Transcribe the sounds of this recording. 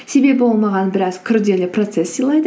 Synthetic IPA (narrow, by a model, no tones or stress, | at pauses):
se̞be̞bɪbo̞lˠmɑʁɑnbɪɾɑzkʲʰʏɾd̪e̞lɪpro̞t̪se̞sːijlˠɑjd̪ə